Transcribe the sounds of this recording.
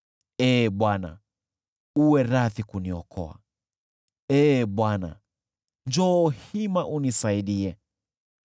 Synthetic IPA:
ɛːɓwana̰ | uwɛɾaθikuniɔkʰɔ̰a̰ | ɛːɓwana̰ | ɲd͡ʒɔːhimaʔunisaiɗiɛ

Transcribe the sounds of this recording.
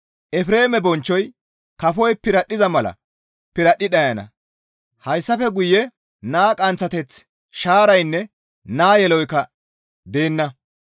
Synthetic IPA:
ʔɛfɾe̞ːmɛbɔnt͡ʃːɔj | kɐfɔjpɪɾɐɗːɪzɐmɐlɐ̰ | pɪɾɐɗːɪɗɐjɐnɐ̰ | hɐjsːɐfɛɡʊjːɛ | naːkʼɐnt͡sːɐt̪ɛt͡s | ʃaːɾɐjnːɛ | naːjɛlɔjkɐ | d̪eːnːɐ

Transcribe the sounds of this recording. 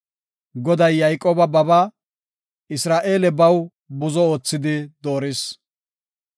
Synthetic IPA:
ɡɔd̪ɐjːajkʼoːbɐbɐbɐ | ɪsɾaːʔe̞ːlɛbɐw | bʊzɔoːt͡sːɪd̪ɪd̪oːɾɪs

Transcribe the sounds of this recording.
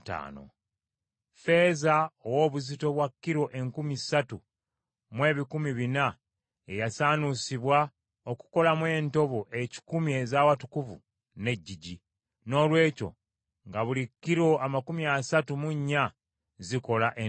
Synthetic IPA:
ta̰ːno̰ | fe̞zaowo̞ːβuzito̞βwakːiɾo̞ʔe̞ŋkumisatu | mwe̞ːβikumiβina | ejasaːnusiβwa | oku̥ko̞lamwe̞ːnto̞βo̞ʔe̞ci̥kumie̞zaːwatu̥kuvṵ | ne̞ɟːiɟi | no̞ːlwe̞ːco̞̰ | ŋɡaβulikːiɾo̞ʔamakumiasatumuɲːa | ziko̞laʔe

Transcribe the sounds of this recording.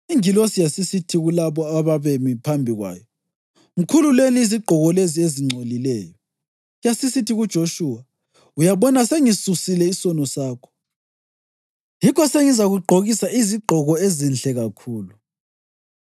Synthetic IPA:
iŋilosijasisitʰiɣulaβɔaβaβemipʰambʱiɣwa̰ːjɔ | m̩kʰululeniːziɡ͡ǃʱɔɣɔlezieziŋ͡ǀʱolilɛːjɔ | jasisitʰiɣud̥ʒ̥ʱoʃuːwa | ujaβɔnaseŋisusilɛisɔnɔsaːkʰɔ̥ | jikɔseŋizaɣuɡ͡ǃʱoɣisaʔiziɡ͡ǃʱɔɣɔezinɬɛɣakʰuːlu

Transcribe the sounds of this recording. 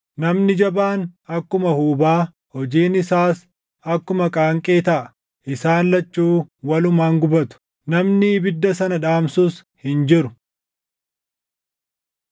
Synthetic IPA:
nɐmnɪd͡ʒɐbaːnɐkːʊmɐhuːbaː | hɔd͡ʒiːnɪsaːs | ɐkːʊmɐkʼaːŋkʼeːt̪ɐʔɐ | ʔɪsaːnlɐt͡ʃːuːwɐlʊmaːŋɡʊbɐt̪ʊ̥ | nɐmnɪːbɪd̪ːɐsɐnɐᶑaːmsus | hɪnd͡ʒɪɾʊ

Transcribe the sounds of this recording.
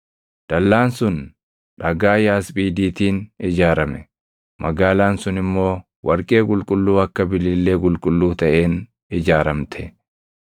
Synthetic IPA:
d̪̥ɐlːaːnsʊn | ᶑɐɡaːjaːspʼiːd̪iːt̪iːnɪd͡ʒaːɾɐmɛ | mʔɐɡaːlaːnsʊnɪmːo̞ː | wʔɐɾkʼe̞ːkʼʊlkʼʊlːuːɐkːɐbɪlːɪlːe̞ːkʼʊlkʼʊlːuːt̪ɐʔe̞ːn | ɪd͡ʒaːɾɐmt̪ʰɛ

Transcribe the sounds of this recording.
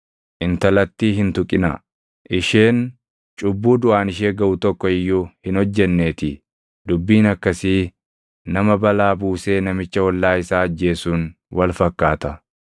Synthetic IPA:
ʔɪnt̪ɐlɐt̪ːiːɦɪnt̪ʊkʼɪnɐ̰ | ʔɪʃeːn | t͡ʃʼʊbːuːd̪ʊʔaːnɪʃe̞ːɡɐʔʊt̪ɔkːɔɪjːuhɪnɔd͡ʒːɛnːeːt̪ɪ | d̪ʊbːiːnɐkːɐsiː | nɐmɐbɐlaːbuːse̞ːnɐmɪt͡ʃːɐwɔlːaːɪsaːɐd͡ʒːe̞ːsuːn | wɐlfɐkːaːt̪ɐ

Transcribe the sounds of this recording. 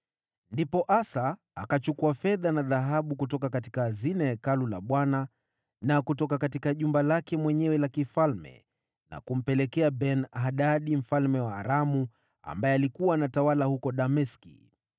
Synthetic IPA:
ndipɔʔasaː | kat͡ʃukuafɛðanaðaɦaɓukutɔkakati̥kaːzinajakalula̰ɓwana | nakutɔkakatikaʄumbalakɛmwɛɲɛwɛlakifalmɛ̰ | na̰kum̩pɛlɛkɛabɛnaɗaɗim̩falmɛwaːɾamu | a̰mbaɛalikuwanatawalahukɔɗamɛskḭ

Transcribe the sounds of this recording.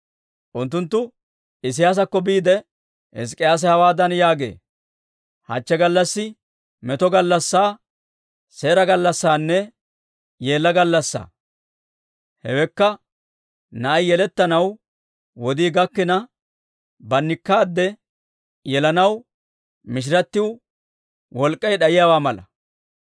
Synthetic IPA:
ʔʊnt̪̬ːʊnt̪ːʊ | ɪs̬ɪjaːs̬ɐkːɔbiːd̪ɛ | hɛ̰s̬kʼːɪjaːs̬ɛhɐwaːd̪ɐnjaːɡḛː | hɐ̰t͡ʃːɛɡɐlːɐsːɪ | mɛt̪ɔɡɐlːɐsːaː | se̞ːɾɐɡɐlːɐsːaːnːɛ | jeːlːɐɡɐlːɐsːa̰ː | hɛwɛkːɐ | nɐʔɐjjɛlɛt̪ːɐnɐw | wɔd̪iːɡɐkːɪnɐ | bɐnːɪkːaːd̪ːɛ | jɛlɐnɐw | mɪʃ̬ɪɾɐt̪ːɪw | wɔlkʼːɐjɗɐjɪjaːwaːmɐlɐ̰

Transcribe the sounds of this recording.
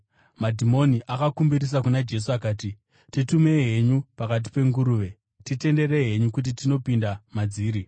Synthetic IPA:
madʱimo̞niʔakakumbiɾis̬akunad͡ʒe̞s̬uakaːti | titume̞ɦe̞ɲupakat̬i̥pe̞ŋɡuɾuːʋe̞ | tite̞nde̞re̞ɦe̞ɲukut̬itino̞pindamad͡ziːɾi

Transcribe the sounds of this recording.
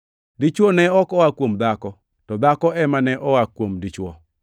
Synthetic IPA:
dit͡ʃwɔnɛɔkɔwakwomd̪akɔ | tɔd̪akɔɛmanɛʔɔwakwomdit͡ʃwɔ

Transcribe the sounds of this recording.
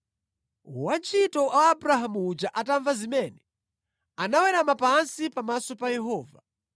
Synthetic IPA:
wat͡ʃitɔʔaːbuɾaɦamuːd͡ʒaʔataɱvazimɛnɛ | anawɛɾamapansipamasɔpajɛɦɔːva

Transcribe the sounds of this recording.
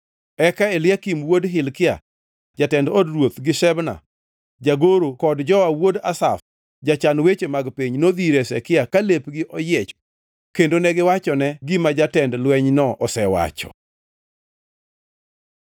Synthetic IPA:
ɛkaɛlɪakimwodɦɪlkɪa̰ | d͡ʒatɛndɔdrwot̪ɡɪʃɛbna̰ | d͡ʒaɡoɾokɔdd͡ʒɔawodasaf | d͡ʒat͡ʃanwet͡ʃemaɡpiɲnod̪iɾesɛ̰kɪakalepɡɪʔɔjɛt͡ʃɔ̥ | kendonɛɡɪwat͡ʃɔnɛɡimad͡ʒatɛndlwɛɲnɔʔɔsɛwa̰t͡ʃɔ̥̰

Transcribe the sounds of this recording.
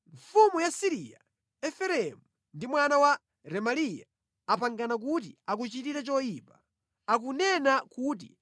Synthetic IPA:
ɱfumujasiɾija̰ | ɛfɛɾɛmu | ndimwanawa | ɾɛmalija̰ | apaŋɡanak̬ut̬ḭak̬ut͡ʃitiɾɛt͡ʃɔjiːpa | akunɛnakut̬ḭ

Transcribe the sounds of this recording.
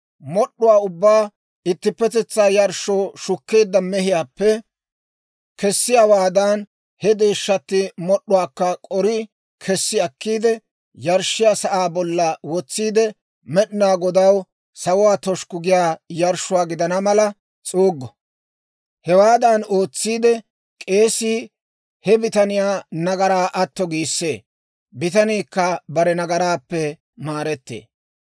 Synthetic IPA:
mɔɗːʊwaːʊbːaː | ɪt̪ːɪpːɛt̪ɛt͡sːaːjɐɾʃoːʃʊkːeːd̪ːɐmɛhɪjaːpːɛ | kɛsːɪjawaːd̪ɐn | hɛd̪eːʃːɐt̪ːɪmɔɗːʊwaːkːɐkʼɔɾɪ | kʰɛsːɪɐkːiːd̪ɛ | jɐɾʃɪjaːsɐʔaːbɔlːɐwɔt͡sːiːd̪ɛ | mɛɗɪnaːɡɔd̪ɐw | sɐwʊwaːt̪ɔʃkʊɡɪjaːjɐɾʃʊwaːɡɪd̪ɐnɐmɐlɐ | t͡sʼoːɡːɔ | hɛwaːd̪ɐnoːt͡sːiːd̪ɛ | kʼe̞ːsiː | hɛbɪt̪ɐnɪjaːnɐɡɐɾaːʔɐt̪ːɔɡiːsːe̞ː | bɪt̪ɐniːkːɐbɐɾɛnɐɡɐɾaːpːɛ | maːɾɛt̪ːḛː

